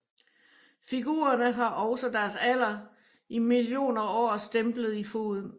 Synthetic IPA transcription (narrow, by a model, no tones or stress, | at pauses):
fiɡ̥ṵːɐnəɦɑ̈ʔɒ̽ʊsəd̥æɐsæl̰ɐ | imilijo̝̰ːnɐɒ̰ːsd̥emb̥ləð̞̩ˠifo̝̰ːðˠn